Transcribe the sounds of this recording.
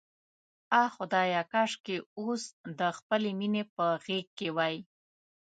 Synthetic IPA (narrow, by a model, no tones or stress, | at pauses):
ɑxʊd̪ɑjɑkɑʂkeosd̪əxpəleminepəɣek̚kːewɑj